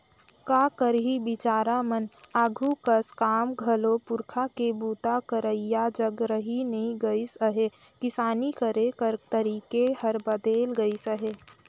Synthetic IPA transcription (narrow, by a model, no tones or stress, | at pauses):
kaːkəɾɦibɪt͡ʃaːɾamənaːɡʱukəskaːmɡʱəlopʊɾkʰakebuːt̪akəɾəijad͡ʒəɡɾəɦinəɦĩɡəisəɦe | kɪsaːnikəɾekəɾt̪əɾiːkeɦəɾbəd̪eːlɡəisəɦeː